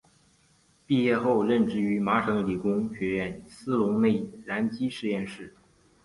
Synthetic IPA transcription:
pi˥˧jɛ˥˧xo˥˧ʊɻə˥˧nʈ͡ʂɻ̩˥˩y˧˥ma˧˥ʈ͡ʂʰɤ˧˥ŋli˨˩kʊ˥ŋɕɥɛ˧˥ɥɛ˥˩nsɹ̩˥lʊ˧˥ŋne˥˩ɪla˧˥nt͡ɕi˥ʂɻ̩˥˧jɛ˥˧nʂɻ̩˥˩

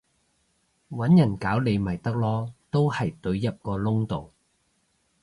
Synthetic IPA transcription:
wɐ˨˥njɐ˨˩nkaː˨˥wle˨˧jmɐ˨˩jt̪ɐ˥k̚lɔː˥t̪o˥whɐ˨jt̪ɵ˨˧ɥjɐ˥t̚kɔː˧lʊ˥ŋt̪o˨w

